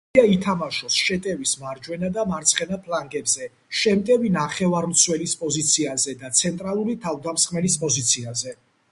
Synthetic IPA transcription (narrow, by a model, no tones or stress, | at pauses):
ait̪ʰamaʃɔsʃɛt̪ʼɛvismaɾd͡ʒwɛnad̪amaɾt̪sʰχɛnapʰlaŋɡɛbzɛ | ʃɛmt̪ʼɛvinaχɛvaɾmt̪sʰwɛlispʼɔzit̪sʰiazɛd̪at̪sʰɛnt̪ʼɾalˠuɾit̪ʰavd̪amsχmɛlispʼɔzit̪sʰiazɛ